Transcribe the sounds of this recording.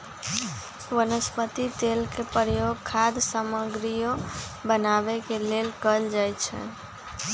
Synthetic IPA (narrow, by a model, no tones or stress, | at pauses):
ʋənəspət̪it̪elkepɾjoɡkʰad̪saməɡɾijobənabekelelkəld͡ʒajt͡ʃʰɛ̰